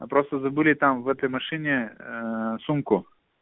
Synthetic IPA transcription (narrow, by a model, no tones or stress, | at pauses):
ɐpɾost̪əzɐbɨlʲɪt̪amvɛt̪əjmɐʂɨnʲe | sumkʊ